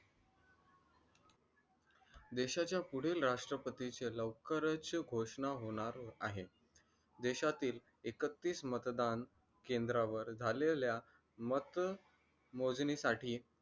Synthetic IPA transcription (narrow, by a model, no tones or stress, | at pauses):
d̪eɕat͡ɕjapuɽ̤eːlɾaʂʈɾəpət̪it͡seləʋkəɾət͡sɡʱoʂɳaɦoɽ̃aɾaɦe | d̪eɕat̪iːl | ekət̪ːiːsmət̪d̪an | kend̪ɾaʋəɾd͡zʱalelja | mət̪ | mod͡zɳisaʈiː